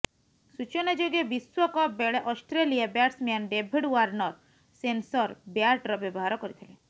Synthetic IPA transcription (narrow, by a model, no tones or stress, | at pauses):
sut͡ʃɔned͡ʒoɡebiswɔkɔbeɭeʔɔsʈɾeliabjaʈsmanɖebʱiɖwaɾnɔɾ | sensɔɾbjaɾʈɾɔbjɔbɔɦaɾɔkɔɾit̪ʰile